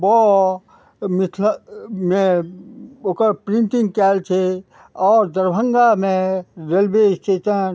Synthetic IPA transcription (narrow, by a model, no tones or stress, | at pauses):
bɔː | mɪt̪ʰləmẽ | oːkəɾpɾɪ̃nʈɪ̃ŋɡkɛːlt͡ʃʰe | ɔːɾd̪əɾbʱə̃ŋɡamẽɾelbesʈeːtən